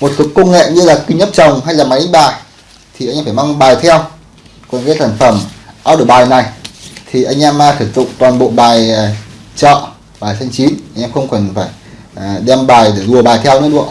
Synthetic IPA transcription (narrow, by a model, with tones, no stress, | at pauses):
mo˨˩t̚ku˨˩kːə˧wŋ͡mŋːḛ˧˨ɲɨ˧laː˨˩ki˧ɲə˦˥p̚t͡ɕə˨˩wŋ͡mɦa˧jlaː˨˩ma˨˦jɗe˨˦ŋɓaː˨˩j | t̪ʰi˨˩a˧jɲː˧faː˧˩jma˧ŋ͡mɓaː˨˩jt̪ʰɛ˧w | kɔ˨˩nkaː˨˦saː˧˩nfə˧˩mʔaː˧wɗɨː˨˧˩ɓaː˨˩jna˨˩jt̪ʰi˨˩ʔa˧jŋ̟ʔɛ˧m˨t̪ʰə˨˧˩k̚zʊ̰˧˨ŋ͡mt̪waː˨˩nɓo̰˧˨ɓaː˨˩jt͡ɕɔ̰˧˨ | ɓaː˨˩jsʰa˧jŋt͡ɕi˨˦nʔa˧ŋ̟ʔɛː˧mxə˧wŋ͡mkɔ˨˧˩nfaː˧˩j | ɗɛ˧mɓaː˨˩jɗe˧˩zu˨˩əɓaː˨˩jt̪ʰɛ˧wnɨ̰˧˦˥ɗṵ˧ə